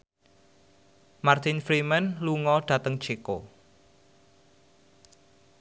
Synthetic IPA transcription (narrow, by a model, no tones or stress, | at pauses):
mart̪infɾimənluŋɔɖ̥ä̤t̪əŋ̥t͡ʃeko